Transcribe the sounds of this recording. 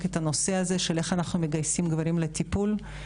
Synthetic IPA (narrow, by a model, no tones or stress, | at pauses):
ketano̞se̞aze̞ʃele̞χanaχnume̞ɡajsimɡvaɾimlet̪ipul